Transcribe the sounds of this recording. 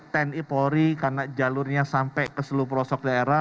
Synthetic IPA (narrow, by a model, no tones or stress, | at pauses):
t̪ɛnipoɾikarnad͡ʒalʊrɲasampɛkəsəlupɾɔsɔk̚daeɾa